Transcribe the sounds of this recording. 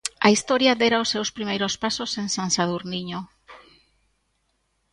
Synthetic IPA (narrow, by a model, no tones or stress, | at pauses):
aist̪ɔɾjad̪eɾaʊsːewspɾimejɾospasosensansaðuɾniɲo